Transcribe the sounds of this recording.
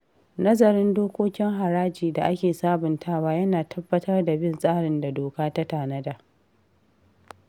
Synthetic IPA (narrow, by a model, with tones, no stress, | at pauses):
nɐ˦zɐ˨ɾɪ˦ndoː˦kʷoː˦kʲɪ˦ŋɦa˨ɾaː˦d͡ʒiː˨da˨ʔa˦kʲeː˨saː˦bʊ˨ntʰaː˦waː˦jɐ˦naː˨tʰɐ˦bːɐ˦tʰɐ˦rda˨bɪ˦nsʼaː˦ɽɪ˨nda˨doː˨kaː˦ta˦taː˨nɐ˦da˨